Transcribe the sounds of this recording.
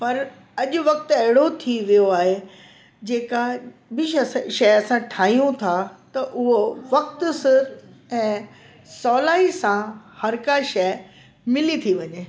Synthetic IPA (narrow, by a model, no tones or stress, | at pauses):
pɐɾ | ɐʄʊ̆ʋɐk̚t̪ɐɦɪɽot̪ʰiʋijoaːɦe | d͡ʑeːkaɦbɪʃɐsʃɐɐsãʈʰaːɦijũt̪ʰat̪ɐʔʊɦoʋɐk̚t̪ʊsɪɛ̃ː | sɔːlaːisãhɐɾkaʃɛː | mɪlit̪ʰiʋɐɲeː